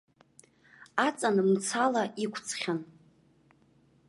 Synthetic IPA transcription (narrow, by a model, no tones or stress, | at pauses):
at͡sʼanɨmt͡sʰalaʔikʷʰt͡sʰχʲan